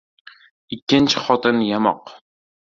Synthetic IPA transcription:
ɪkʲːɪnt͡ʃʰɪ̥χɒt̪ʰɪnjamɒq

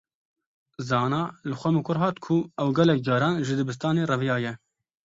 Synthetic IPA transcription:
zɑːnɑːlɨxʷɛmɨkʰʊɾɦɑːt̪kʰʊɛwɡɛlɛk̚d͡ʒɑːɾɑːnʒɨd̪ɨbɨs̬t̪ɑːneːrɛvjɑːjɛ

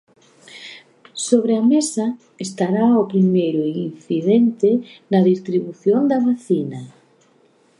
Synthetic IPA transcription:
soβɾeamesa | est̪aɾaʊpɾimejɾʊinθiðent̪ɪnɐðist̪ɾiβuθjond̪ɐβaθinɐ

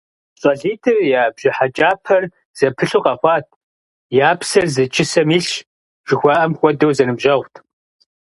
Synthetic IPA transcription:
ɕʼɔɮiːtʰɨrjaːbʑɪħat͡ʃʼaːpʰɐr | z̥ɐpʰɨɬuːqɐχʷɑːtʰ | jaːpsɐrzɨt͡ʃʰʼɪsɐmiːɬ | ʒ̥ɪxʷɑʔɐmxʷɔdowzɐnɨmʑɐʁʷtʰ

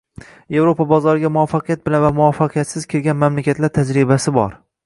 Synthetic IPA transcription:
je̞vɾopʰabɒzɒɾɪɡʲamʊafːɑqʰɨjat̪̚bɪlanvamʊɒfːɑqʰɨjat̪sɪz̥kʲʰelɡʲanmamlakʲʰat̪laɾt̪ʰad͡ʒɾɪbasɪbɒ̰ɾ

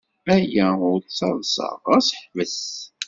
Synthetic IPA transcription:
æjæʊɾt͡sːɑðˤsɑ̰ʁæsħvəs

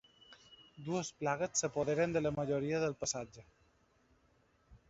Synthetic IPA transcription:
d̪uəsplaɣəsːəpoðeɾənd̪ələməʒoɾiəðəlˠpəsad͡ʒə

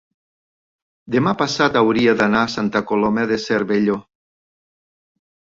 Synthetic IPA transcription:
d̪emapasat̪awɾiad̪anaːsant̪akolomaðeseɾβeʎo

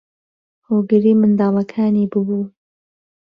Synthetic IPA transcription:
hoːɡɨɾiːmɨnd̪ɑːlˠɐkʰaːniːbɨbuː

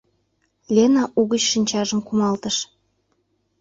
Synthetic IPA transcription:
lʲenɑʔuɣət͡ɕʃinʲt͡ɕɑʒəmkumɑlt̪əʃ

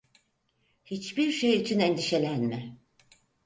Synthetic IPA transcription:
hit͡ʃbiɾʃejyt͡ʃʰynɛnd̪iʃe̞lʲænmɛ

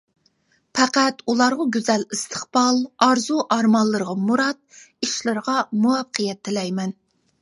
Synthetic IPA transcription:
pʰɛqæt̪ulˠɑɾʁɑɡʲyzɛlist̪ʰə̥χbɑlˠɑɾzuʔɑɾmɑlˠːəɾəʁɑmuɾɑt̪̚ | iʃlɨɾəʁɑmuɑfqʰəjɛt̪ʰːɪlɛjmɛn

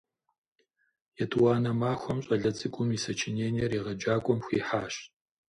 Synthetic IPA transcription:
jɛtʰʼwaːnɐmaːxʷɔmɕʼɐɮɐt͡sʼɨkʷʼʊmisɐt͡ʃʰeneːniɛriːʁɐd͡ʒaːkʷʼɔmxʷiːħaːɕt

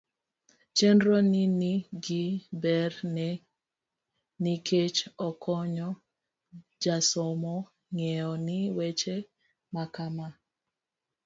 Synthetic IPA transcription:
t͡ʃendɾɔniniɡibɛrnɛ | nikʰet͡ʃɔkʰɔɲɔ | d͡ʒasɔmɔ | ŋɛɔnɪwet͡ʃe | makama

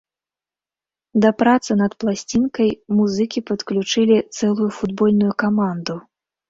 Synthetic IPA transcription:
d̪ɐpɾat̪sɨnɐt̪plˠasʲt͡sʲinkɐjmuzɨkʲipɐt̪klʲut͡ʂɨlʲit̪sɛlˠujufud̪bɔlʲnujukamand̪u

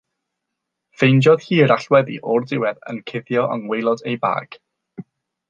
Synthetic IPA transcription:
fejnd͡ʒɔð̥hiːəɾaɬwɛðḭʔɔrdɪwɛðə̰nkʰɪðjɔʔə̰nwejlˠɔdejba̰ːɡ̥

